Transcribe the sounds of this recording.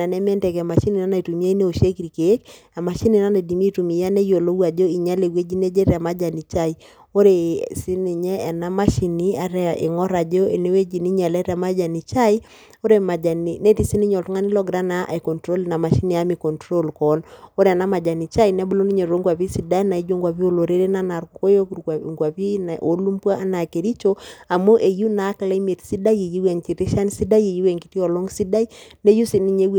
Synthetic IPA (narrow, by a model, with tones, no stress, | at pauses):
a˨nɛ˦m˦ɛ˦ntɛ˨kɛ˨ma˨ʃi˦ni˨na˦na˨i˨tu˨mi˦a˦i˦ne˦o˨ʃe˦kɾi˨ke˨˦k | a˨ma˨ʃi˦ni˨na˦na˨di˨mi˦tu˨mi˨ja˦ne˦jo˨lo˦wa˨d͡ʒo˦i˨ɲa˦le˨we˦d͡ʒi˦ne˦d͡ʒe˦ɾa˨ma˦d͡ʒa˨ni˨t͡ʃa˦˨i˦ | o˦ɾe˨si˦ni˨ɲɛː˦˨na˦ma˦ʃi˨ni˦a˦ɾɛ˦˨ʔḛ˨ŋɔ˦ɾa˨d͡ʒo˦e˨ne˦we˦d͡ʒi˨ni˦ɲa˨lɛ˦ɾa˨ma˦d͡ʒa˨ni˨t͡ʃa˦i˦ | o˦ɾe˨ma˨d͡ʒa˨ni˨ne˦ti˨si˦ni˦ɲɔ˨ltu˦ŋa˦ni˦lɔ˦ɡɾa˦na˦ʔa̰˨kɔ˨ntɾo˦lna˨ma˨ʃi˦ni˨a˦mi˨kɔ˨ntɾo˦lkɔ˨˦lo˦ɾa˨na˦ma˨d͡ʒa˨ni˨t͡ʃa˦inɛ˦bu˦lo˦ni˦ɲe˨ɾo˦ŋɡwa˨βi˦si˨da˦i˦na˨i˦d͡ʒo˦ŋɡwa˨βi˦o˦˨lo˨ɾe˦ɾe˦na˦na˨ɾkuko˦jo˦kŋɡwa˨pi˦na˨ʔo˨˦lu˦mpwa˦a˦na˨ke˨ɾi˦t͡ʃo˦a˨mo˦ʔe˨ju˦na˨˦kla˦i˦me˨tsi˦da˦je˨ji˦wɛ˨ŋt͡ʃi˨ti˦ʃa˦n˦si˦da˦je˨ji˦wɛ˨ŋki˦ti˦ɔ˨lo˦ŋsi˦da˦i˦ne˦ju˦si˦ni˦ɲe˦w